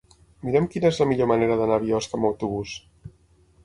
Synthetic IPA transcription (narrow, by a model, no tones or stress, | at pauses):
miɾɛmkinəezləmiʎoməneɾəðənaβiɔskəməwt̪uβ̞us